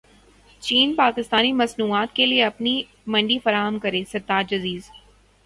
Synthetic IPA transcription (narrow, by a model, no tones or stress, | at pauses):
t͡ʃiːnpaːkɪst̪aːnimɐsnuːaːt̪kelieɐpni | mɐ̃ɳɖifɐɾaːɦəmkɐɾeːsɐɾt̪aːd͡ʒɐziːz